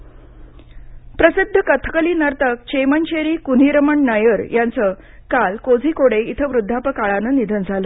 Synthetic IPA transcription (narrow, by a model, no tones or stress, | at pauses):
pɾəsid̪ʱːəkət̪ʰə̥kəliːnəɾt̪ək̚t͡ɕejməɲt͡ɕeɾiːkun̤iːɾəməɳnajəɾjʔant͡sə | kalkod͡zʱiːkoɽeit̪ʰəʋɾud̪ʱːapəkaɭanənid̪ʱənd͡zʱalə